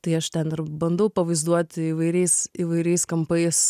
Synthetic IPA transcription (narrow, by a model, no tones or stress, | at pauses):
t̪ɐɪɐʃt̪ʲɛnɪɾbɐnd̪ɐʊpɐʋɐɪzd̪uɔt̪ʲiʋɐɪɾʲɛɪsiʋɐɪɾʲɛɪskɐmpɐɪs